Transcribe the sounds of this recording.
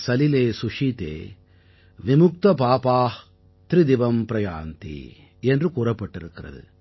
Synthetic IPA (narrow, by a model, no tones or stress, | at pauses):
sɐlileːsuʂit̪ḛː | ʋimʊk̚t̪ɐpaːpaːh | t̪ɾid̪iʋɐmpɾɐja̰ːnt̪ḭ | ɛndrɯkuːɾɐpːɐʈːɪɾɯkːɪɾɐ̰ðɯ̰